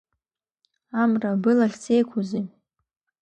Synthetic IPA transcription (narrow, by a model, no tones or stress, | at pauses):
amrabɨlaχʲt͡sʰejkʷʰuzi